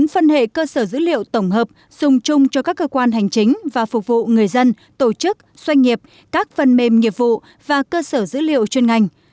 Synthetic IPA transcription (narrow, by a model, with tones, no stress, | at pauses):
ŋfə˧nhḛ˧˨kəː˧səː˧˩zɨ̰˧˥lḭ˧˨ə˨wt̪ə˧˩wŋ͡mɦəː˨˩p̚ | z̥ʊ˨˩ŋ͡mt͡ɕʊ˧ŋ͡mt͡ɕɔ˧kaː˦˥kːəː˧kwaː˧nɦa˨˩jŋ̟t͡ɕï˨˦ŋ̟vaː˨˩fʊ˨˩k͡p̚vṵ˧˨ŋɨ˨˩əjzə˧n | t̪o˧˩t͡ɕɨ˦˥k̚ | swa˧jŋ̟ːi˨˩əp̚ | kaː˦˥k̚fə˨˩nme˨˩mŋi˨˩əp̚vṵ˧˨ | vaː˨˩kəː˧səː˧˩zɨ̰˧˥lḭ˧˨ə˨wt͡ɕwe˧nŋa˨˩jŋ̟